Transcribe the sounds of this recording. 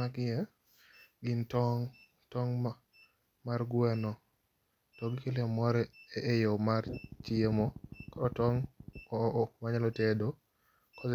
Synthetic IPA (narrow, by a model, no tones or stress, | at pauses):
akɪjɛ | ɡɪntɔŋ | tɔŋ | marɡwɛnɔ | tɔɡɪkelemɔɾɛeʔejomartɪemokɔɾɔtɔŋ | ʔmaɲalɔtedo | kɔ